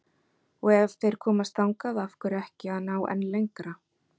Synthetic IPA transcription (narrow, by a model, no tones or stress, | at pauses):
ɔɣɛv̥θejɾ̥kʰɔːmast̪awŋkaðafkʏɾɛhcɪaðnaːwʔɛ̰nlejŋkɾa